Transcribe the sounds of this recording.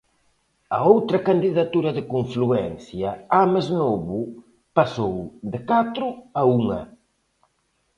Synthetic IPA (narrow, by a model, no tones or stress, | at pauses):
ɐ̰owt̪ɾɐkand̪iðat̪uɾɐðɪkoɱfluɛnθjɐamaznoβʊ | pasowd̪ɪkat̪ɾʊɐuŋɐ̰